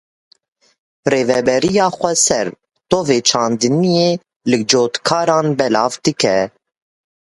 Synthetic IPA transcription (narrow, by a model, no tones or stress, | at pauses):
reːvɛbɛɾijɑːxʷɛsɛɾ | t̪oːveːt͡ʃʰɑːnd̪ɨnijeː | lɨd͡ʒoːt̪kʰɑːɾɑːnbɛlɑːvd̪ɨkɛ